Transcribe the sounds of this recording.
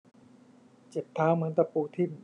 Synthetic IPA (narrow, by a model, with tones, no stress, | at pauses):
t͡ɕe˨˩p̚t̪ʰaː˦˥wmɯ˨˩˦ənt̪a˧puː˧t̪ʰi˥˩m